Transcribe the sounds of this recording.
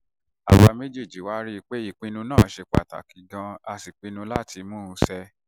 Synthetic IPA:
a̰˨wa˧me˦d͡ʒe˦˨d͡ʒi˨wa˦ɾi˦˧k͡pe˦i˦˨k͡pĩ˧nũ˧nãː˦˨˦ʃe˧k͡pa̰˨ta̰˨ki˨ɡã˧a˧si˨k͡pĩ˧nũ˧la˦ti˧mũ˦˧˦sɛ˧

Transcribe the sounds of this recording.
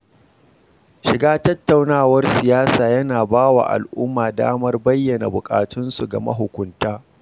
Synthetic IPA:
ʃɪ˨ɡaː˦tɐ˦tːa˨wnaː˦˨wɐ˦rsɪ˨jaː˦saː˨jɐ˦naː˨baː˦wa̰ː˨ʔa̰˨lʔʊ˦mːaː˨da̰ː˦mɐ˦rbɐ˦jːɐ˨na̰˨bʊ˨kʼa̰ː˨tʰʊ˦nsu˨ɡɐ˨mɐ̰˦ɦʊ˨kʷʊ˦ntaː˦

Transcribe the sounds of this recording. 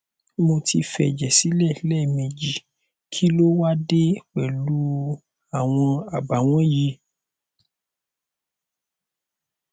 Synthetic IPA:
mo˧tʰi˧fɛ˨d͡ʒɛ˨si˨˦lɛ˦˨˦lɛ˦˨mẽ˧d͡ʒi˨ | kʰi˨˦lo˦wa˦de˦k͡pɛ˨lu˦ | a˨w̃ɔ̃˧a˨ba˨w̃ɔ̃˦ji˨˧˦

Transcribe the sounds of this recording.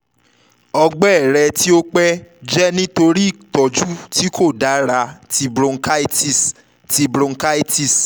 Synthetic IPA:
ɔ˧ɡ͡bɛ˦˨ɾɛ˧ti˦o˦k͡pɛ˦d͡ʒɛ˦nĩ˦to˧ɾi˦i˦˨kɔ˨d͡ʒu˦tʰi˦kʰo˦˨da˨˦ɾa˧ti˧bɾõ˧˦ka˦i˦ti˦˨s | ti˧bɾõ˧˦ka˦i˦ti˦˨s

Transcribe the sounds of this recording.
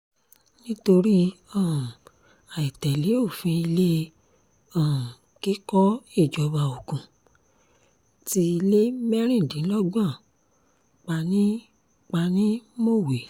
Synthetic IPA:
nĩ˦to˧ɾi˦ã˦˨ | a˨i˨tɛ˨le˨˦o˦˨fĩ˧i˧le˦ | ã˦˨ | ki˦kɔ˦e˦˨d͡ʒɔ˨˦ba˧o˨kũ˨ | ti˧le˦mɛ˦ɾ̃ĩ˦˨dĩ˨˦lɔ˦ɡ͡bã˦˨ | k͡pa˧nĩ˦ | k͡pa˧nĩ˦mo˦˨we˨

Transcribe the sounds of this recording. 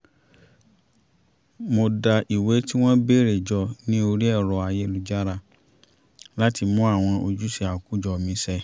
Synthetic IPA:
mo˧da˧ʔi˨we˨˦ti˦w̃ɔ̃˦be˦˨ɾe˨d͡ʒɔ˧nĩ˦o˧ɾi˦ɛ˦˨ɾɔ˨a˧je˨˦lu˨d͡ʒa˦ɾa˧ | la˦ti˧mũ˦a˦˨w̃ɔ̃˧ʔo˧d͡ʒu˨˦si˧a˨ku˨˦d͡ʒɔ˧˨mĩ˨˦sɛ˧

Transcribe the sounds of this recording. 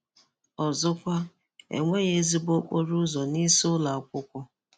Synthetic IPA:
ɔ˨zʊ˦kʷa˦ | ḛ˨ŋʷe˦ɣe˦zi˦bo˦k͡po˦ɾʊ˦zɔ˨ni˦sʊ˦la˨kʷʊ˦kʷʊ˦

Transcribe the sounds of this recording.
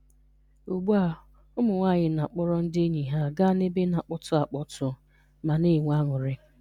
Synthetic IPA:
o˨ɡ͡bu˦a˦ | ʊ˦mʊ˨ŋʷa˦˨ɲɪ˨na˨k͡pɔ˦ɾɔ˦n̩˦dɪ˦e˦ɲi˨ɦa˦ɡa˦ne˦be˦na˨k͡pɔ˦tʊ˦a˨k͡pɔ˦tʊ˦ | ma˨ne˦˨ŋʷ˦a˦ŋʊ˨ɾɪ˦

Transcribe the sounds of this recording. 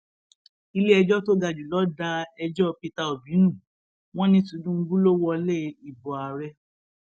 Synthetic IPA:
i˧le˦ɛ˧d͡ʒɔ˦to˦ɡa˧˨d͡ʒu˨lɔ˨˦da˧ɛ˧d͡ʒɔ˦˧pi˧ta˧o˨bĩ˨˦nũ˦˨ | w̃ɔ̃˦nĩ˧tu˨˦dũ˦ŋ̩˦ɡũ˦lo˦wɔ˧le˦i˨bɔ˨a˨ɾɛ˧˦

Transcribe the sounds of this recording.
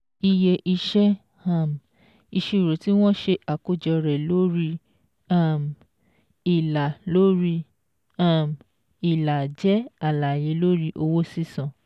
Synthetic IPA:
i˧je˧ʔi˧ʃɛ˦ | a˦˨m˨ | i˧ʃe˦˧i˨ɾo˨ti˦w̃ɔ̃˦ʃe˧ʔa˨ko˦d͡ʒɛ˧ɾɛ˨lo˦ɾi˧ | a˦˨m˨ | i˨la˨lo˦ɾi˧˦ | a˦˨m | i˨la˨d͡ʒɛ˨˦a˦˨la˨je˨˦lo˦ɾi˦ʔo˧wo˦si˦sã˨

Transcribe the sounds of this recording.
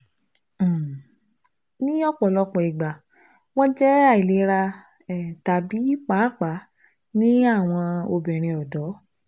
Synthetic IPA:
nĩ˦ɔ˦˨k͡pɔ˨lɔ˧k͡pɔ˨i˨ɡ͡ba˨ | w̃ɔ̃˦d͡ʒɛ˦a˦˨i˨le˨˦ɾa˧ | ɛ˨ta˨bi˨˦i˦k͡pa˨˦˨k͡pa˨˦ | nĩ˦a˦˨w̃ɔ̃˧o˧bɛ̃˨ɾ̃ĩ˧ɔ˨dɔ˨˦

